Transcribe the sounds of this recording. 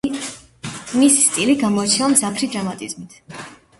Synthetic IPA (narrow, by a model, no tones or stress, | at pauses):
misi̥st̪ʼiliɡamɔat͡ʃʰɛamzapʰɾid̪ɾamat̪ʼizmit̪ʰ